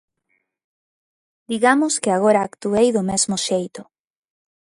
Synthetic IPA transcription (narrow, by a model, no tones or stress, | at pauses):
d̪iɣamʊskɪaɣoɾaːkt̪uejðʊmezmʊʃejt̪ʊ